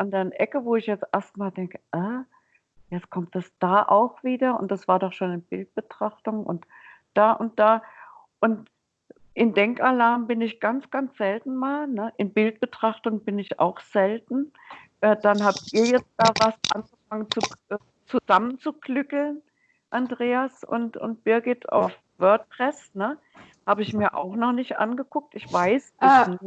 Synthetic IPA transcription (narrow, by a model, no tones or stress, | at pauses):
ʔandaːnʔɛkəvoːɪçjɛt͡stʔeɐstmaːldɛŋkəʔa | jɛt͡skʰɔmt̚d̥asd̥aːʔa̰ʊxv̥iːdɐʊ̰nt̚d̥asv̥aːɐdɔχʃoːnɪnbɪlt̚b̥ətʁ̥aχtʊŋʔʊ̰nt | d̥aːʔʊnt̚d̥aː | ʔʊnt | ʔɪndɛŋkalaɐmbɪnɪçɡ̥ant͡sɡ̥ant͡sz̥ɛltn̩maːlnəʔɪnbɪlt̚b̥ətʁ̥aχtʊŋbɪnɪça̰ʊxz̥ɛltn̩ | ʔɛːd̥anhaːptʔiːɐjɛt͡st̚d̥aːvasʔanɡəfaŋənt͡suʔ | t͡suzamənt͡sukʰlʏkl̩n | ʔandʁeːasʊ̰ntʊ̰nt̚b̥ɪɐɡɪta̰ʊf | vœɐt̚pʁ̥ɛsnə | haːbəɪçmiːɐʔa̰ʊxnɔχnɪçtʔa̰nɡəkʰʊk̚tɪçv̥aɪsdɪn